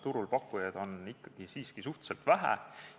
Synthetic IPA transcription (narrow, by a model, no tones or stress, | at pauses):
t̪uɾulpɑkːˑujɑd̪̥o̞nikːɑɡ̥isiːskisuht̪selt̪væɦæ̰